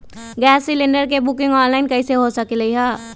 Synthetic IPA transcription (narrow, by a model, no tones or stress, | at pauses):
ɡɛːsːɪlɪ̃ɳɖəɾkebʊkɪ̃ŋɡɔːnlaːɪnkɐiseɦosɐkilɐiɦɛː